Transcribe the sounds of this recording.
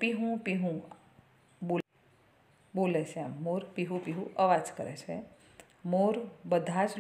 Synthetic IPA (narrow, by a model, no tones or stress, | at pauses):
piɦũpiɦũ | boː | boːleseamːoːɾpiɦũpiɦuʔəʋaːd͡ʒkə̰ɾḛt͡ʃʰḛ | moːɾbəd̪ʱad͡ʒ